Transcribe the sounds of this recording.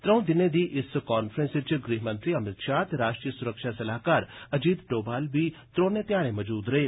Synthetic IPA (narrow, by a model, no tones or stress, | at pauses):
t̪ɾɐ̃w̃d̪ɪnẽd̪iʔɪskaːnfɾẽnst͡ʃɡɾiːɦmə̃nt̪ɾiɐmɪt̪ʃaːt̪ɾaːʃʈɾiːjəsʊɾəkʃasɐlaːɦkaːɾɐd͡ʒiːd̪ʈoːbaːlbʱit̪ɾoːnẽt̪jaːɽ̃ẽmɐd͡ʒuːd̪ɾɐɦeː